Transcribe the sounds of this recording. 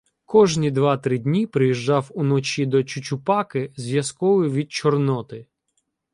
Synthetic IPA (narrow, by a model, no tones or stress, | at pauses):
kɔʒnʲid̪ʋɑt̪ɾɪd̪ʲnʲipɾɪjiʒːɑwunɔt͡ʃid̪ɔt͡ʃʊt͡ʃʲʊpɑkɪzʋjɐskɔʋʊjʋʲid̪̚t͡ʃɔrnɔt̪ɪ